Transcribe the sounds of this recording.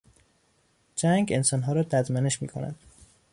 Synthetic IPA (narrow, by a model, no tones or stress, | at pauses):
d͡ʒæŋɡe̞nsɒːnɦɒːɾɒːd̪æd̪mæneʃmiːkʰo̞næ̰d̪̥